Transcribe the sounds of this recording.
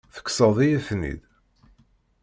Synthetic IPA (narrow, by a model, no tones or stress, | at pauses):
θə̥kːsəðˤijæfnḭð